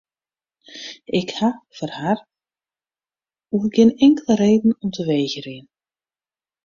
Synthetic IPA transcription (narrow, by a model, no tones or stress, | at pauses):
ɪkhafərhar | uɡɪnɪŋkələɾeːdn̩ɔmtʰəʋeːɣəɾɪən